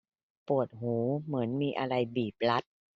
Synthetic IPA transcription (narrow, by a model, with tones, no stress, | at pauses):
pu˨˩ət̪̚huː˩˦mɯ˩˦ənmiː˧ʔa˧ɾa˧jbiː˨˩p̚la˦˥t̪̚